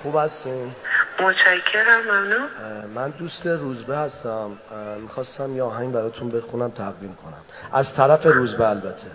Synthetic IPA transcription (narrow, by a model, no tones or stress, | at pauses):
xuːbhæst̪inmot͡ʃʰækʰːeɾæmːæmnunmænd̪ust̪e̞ruːzbehæst̪æmmixɒːst̪æmjeɒːɦæŋbæɾɒːt̪ʰunbe̞xunæmt̪ʰæɣd̪iːmkʰo̞næ̰mʔæzt̪ʰæɾæfe̞ɾuːzbeælbæt̪ʰːe